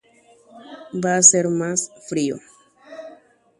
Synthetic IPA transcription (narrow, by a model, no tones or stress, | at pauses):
baːseɾmasfɾio̰